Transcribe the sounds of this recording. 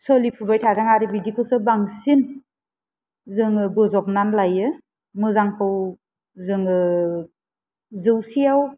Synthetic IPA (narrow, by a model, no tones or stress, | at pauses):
sɔlipʰubajtʰaɾaŋaɾibidikʰɯwsɯbaŋsin | zɯŋɯbɯzɔk̚nanlajɯ | mɯzaŋkʰɯw | zɯŋɯ | zɯwsijaw